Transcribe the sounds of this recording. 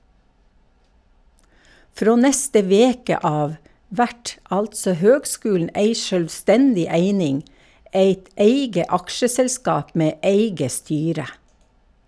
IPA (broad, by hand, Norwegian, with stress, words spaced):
ˈfɾoː ˈnɛstə ˈʋeːkə ˈɑːʋ ˈʋæʈ ˈɑltsɔ ˈhøːɡˌskʉːln̩ ˈeɪ ʃœlʋˈstɛndɪ ˈæɪnɪŋ ˈeɪt ˈæɪɡə ˈɑkʃəsɛlˌskɑːp ˈmeː ˈʔeɪɡə ˈstyːɾə